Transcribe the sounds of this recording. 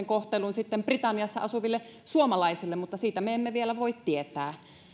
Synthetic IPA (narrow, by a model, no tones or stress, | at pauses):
eŋkoht̪elunsit̪ːemprit̪ɑnːiɑsːɑ̰ɑsuʋilːesuomɑlɑisilːemmut̪ːɑsiːt̪æmeemːeʋielæʋoit̪t̪iet̪æː